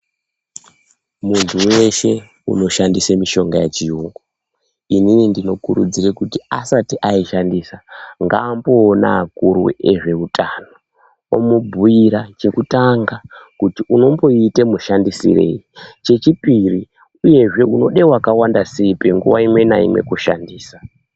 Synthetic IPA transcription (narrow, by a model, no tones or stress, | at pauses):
muntʰuwe̞ʃe | ṵno̞ʃandisemiʃo̞ŋɡajet͡ʃiuŋɡo | ininindino̞kuɾud͡zirekutiasatiʔaiʃandisaŋɡaːmboːna̰ːkuɾwṵeʐe̞utʰano | o̰mubʱuiɾat͡ʃe̞kutaŋɡakutiuno̞mbo̞itemuʃandisḭre̞̰it͡ʃe̞t͡ʃipiri | uje̞ʐe̞uno̞ɗewakawandasipeŋɡṵʋa̰imwe̞na̰ḭmwe̞̰kuʃa̰ndiːsa